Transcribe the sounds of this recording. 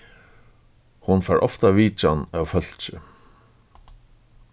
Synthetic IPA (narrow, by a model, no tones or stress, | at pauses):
hʊnfɛɹʔɔ̰ft̪aʋiːt͡ʃanawfœl̥t͡ʃɪ